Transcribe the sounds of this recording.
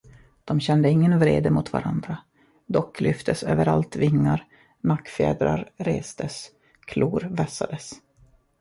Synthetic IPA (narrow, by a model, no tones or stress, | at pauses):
d̪̥ɔmɕɛnd̪əɪŋːənvɾḛːd̪əmʊt̪va̰ɾand̪ɾa | d̪ɔkʰːlʏft̪ʰəsø̰ːvəɾalt̪vɪŋːaɾ | nakːfḛːd̪ɾa̰ɾɾeːst̪əs | kʰluːɾvɛsa̰d̪əs